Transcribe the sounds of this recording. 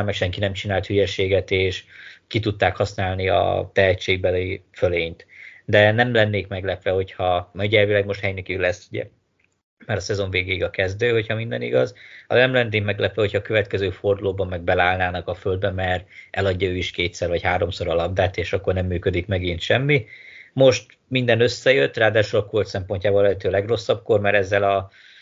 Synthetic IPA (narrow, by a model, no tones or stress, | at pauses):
mɛkʃɛŋkinɛmt͡ʃinaːlt̪hyjɛʃeːɡɛt̪eːʃkit̪ut̪ːaːkhɒsnaːlniɒ̰t̪ɛɦɛt͡ʃːeːɡ̚bɛleːføleːnt̪d̪ɛnɛmlɛnːeːkmɛɡlɛpʋɛho̞chɒmɛɟɛrvilɛɡmo̞ʃt̪hɛjnikilɛsːuɟɛ̰ | mɛɾɒsɛzo̞ɱveːɡeːiɡɒkɛzd̪øːho̞chɒmind̪ɛ̰nḭɡɒzɒnɛmlɛnːeːkmɛɡlɛpʋɛho̞chɒːkøvɛt̪kɛzøːfo̞rd̪uloːbɒmːɛɡ̚bɛlaːlnaːnɒkɒføld̪bɛmɛrɛlɒɟːɒøːiʃkeːt̪sɛrvɒchaːɾo̞mso̞ɾɒlɒbd̪aːt̪eːʃɒkːo̞rnɛmːyːkø̞d̪ikmɛɡint̪ʃɛmːimo̞ʃt̪ | mind̪ɛnø̞sːɛjøt̪ːraːd̪aːʃulɒkolt̪sɛmpo̞ɲcaːbollɛɦɛt̪øːlɛɡro̞sːɒb̚ko̞rmɛɾɛzːɛlɒ